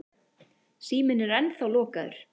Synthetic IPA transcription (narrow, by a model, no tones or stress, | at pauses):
siːmɪnɛɾɛnθawlɔːkaðʏ̰ɾ̥